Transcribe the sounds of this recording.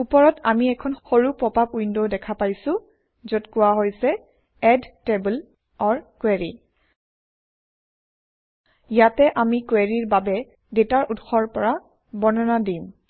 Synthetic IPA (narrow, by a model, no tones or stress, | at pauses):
upɔɹɔtamiɛkʰɔnxoɹupɹɔpapujndodɛkʰapajsʊ̃ | zɔtkʊwaɦojsɛ | ɛdtebul | ɔɹkwɛɹḭ | jatɛʔamikwɛɹiɹbabɛ | detaɹʔutxɔɹpɔɹa | bɔnɔnadim